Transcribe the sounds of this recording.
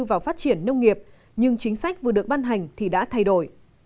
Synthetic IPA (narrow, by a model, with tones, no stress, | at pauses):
vaː˨˩wfaː˦˥t̚t͡ɕi˧˩ənːə˧wŋ͡mŋi˨˩əp̚ | ɲɨ˧ŋt͡ɕï˨˦ŋ̟sa˦˥jk̚vɨ˨˩əɗɨ˨˩ək̚ɓaː˧nɦa˨˩jŋ̟t̪ʰi˨˩ɗa̰ː˧˥t̪ʰa˧˩jɗo˧˩j